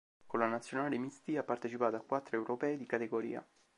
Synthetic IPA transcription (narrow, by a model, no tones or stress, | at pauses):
kolanat̪sjonaːlemist̪iapːart̪et͡ʃipaːt̪oakːwat̪ːɾoewɾopɛːed̪ikat̪eɡoɾḭːa̰